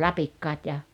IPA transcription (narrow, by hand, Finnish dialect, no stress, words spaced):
lɑpikːɑːt jɑ